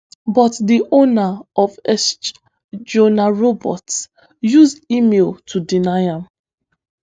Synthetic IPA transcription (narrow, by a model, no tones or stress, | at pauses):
bɔtdiʔonaɔvɛst͡ʃ | d͡ʒonaɹobɔ̰ts | juzdimeltʰudinaɪãm